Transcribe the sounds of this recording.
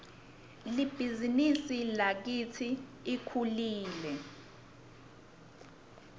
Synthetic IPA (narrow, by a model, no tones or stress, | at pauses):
lib̥ʱizinisilak̬it͡sʰiːkʰuliːlɛ